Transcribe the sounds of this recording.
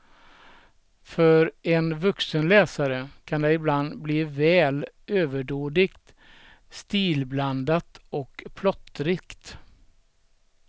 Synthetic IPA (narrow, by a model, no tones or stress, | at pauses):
fœɾɛnvɵksənlɛːsaɾəkʰand̪ɛɪbland̪bliːvɛːl | øːvəɖoːd̪ɪkt̪ | st̪iːlbland̪at̪ɔkpʰlɔt̪ːɾɪkt̪